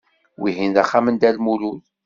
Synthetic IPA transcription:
wiɦind̪æχːamənd̪ælmulul

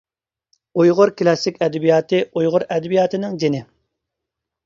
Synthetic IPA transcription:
ujʁʊɾkʲlˠɑsɪkʲɛd̪ɪbijɑːt̪ʰɨujʁʊɾɛd̪ɪbijɑːt̪ʰɪnɪŋd͡ʒenɪ

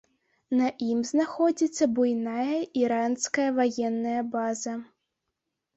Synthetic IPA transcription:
nɐʔimznaxɔd͡zʲit̪sʲːɐbujnajɐʔiɾanskɐjɐvajɛnːɐjɐbazɐ

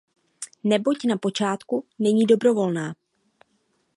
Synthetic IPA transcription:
nɛbo̞cnapo̞t͡ʃaːt̪kunɛɲiːdo̞bɾo̞vo̞lnaː

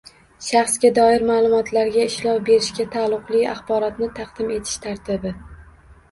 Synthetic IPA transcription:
ʃɑχsɡʲad̪ɒɪɾmaːlˠʊmɒt̪ʰlaɾɡʲaɪʃlɒwbe̞ɾɪʃɡʲat̪ʰalˠːʊqlˠɪja̰χbɒɾɒt̪nɪt̪ʰɑqd̪̥ɪme̞t̪ʰɪ̥ʃt̪ʰaɾt̪ʰɪbɪ

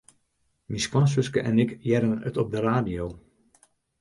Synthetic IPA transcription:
miskwɑns̬ʋʏskəʔɛnɪkjɛɾənə̰tɔp̚dəraːdijoː

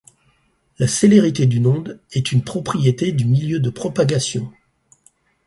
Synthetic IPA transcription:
laseleʁit̪ed̪ynɔ̃d̪ɛt̪ynpχɔpχijet̪ed̪ymiljød̪əpχɔpaɡasjɔ̃

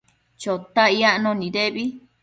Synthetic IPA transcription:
t͡ʃot̪aiaʔnõnĩɾeβi

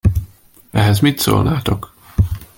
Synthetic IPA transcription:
ɛɦɛzmit̪so̰ːlnaːt̪o̞k

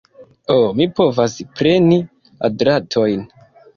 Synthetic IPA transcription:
omipo̞vaspɾe̞ni | a̰dɾatʰo̞jn

